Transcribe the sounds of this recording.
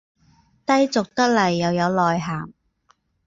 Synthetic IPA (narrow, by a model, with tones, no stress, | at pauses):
t̪ɐ˥jt͡sʊ˨k̚t̪ɐ˥k̚lɐ˨˩jːɐ˨wjɐ˨˧wlɔː˨jɦaː˨˩m